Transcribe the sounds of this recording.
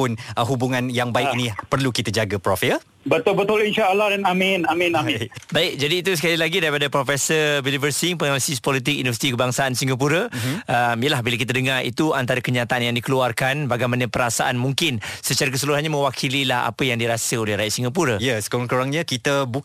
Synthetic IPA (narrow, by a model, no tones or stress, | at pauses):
pʊnəɦubuŋãnjaŋbaɪkinipərlukit̪əd͡ʒaɡəpɾɔfeə | bət̪ʊlbət̪ʊlinʃaalahdanaminamĩnaibaɪk̚d͡ʒadiːt̪usəkalilaɡidaɾipadapɾofɛsəbilivərsiŋpənalisispɔlit̪̬ɪk̚junivəsit̪ikəbaŋsaansiŋap̬uɾəəmijəlahbilak̬it̪adəŋarḭt̪uant̪aɾəkəɲat̪aʔanjaŋdikəluarkanbaɡajmanəpəɾasaʔanmuŋkɪnsət͡ʃaɾak̬əsuluɦanɲamə̃wakʰililaha̰pəjaŋdiɾasəolɛhɾajat̪̚siŋɡapuɾəjəsə̥koɾŋkoɾaŋɲakit̪əbu